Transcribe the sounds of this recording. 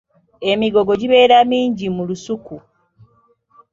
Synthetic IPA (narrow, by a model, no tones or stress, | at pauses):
e̞miɡo̞ɡo̞ɟiβe̞ːɾamiːɲɟimulusuku